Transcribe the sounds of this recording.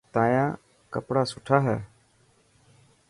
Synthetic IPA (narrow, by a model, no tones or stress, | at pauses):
t̪ãːjãː | kəpɽaːsʊʈʰaːɦɛː